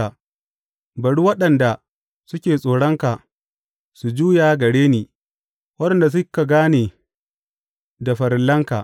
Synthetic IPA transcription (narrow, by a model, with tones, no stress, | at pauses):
a˨ | bɐ˨ɽu˦wɐ˦ɗɐ˨nda˨ | sʊ˦kʲeː˨sʼoː˨ɽɔ˦ŋka˨ | su˨d͡ʒuː˦jaː˨ɡɐ˨ɽeː˦niː˨ | wɐ˦ɗɐ˨nda˨s̬ʊ˦kːa˨ɡaː˦neː˨ | da˨ɸɐ˨ɾɪ˨lːɐ˦ŋka̰˨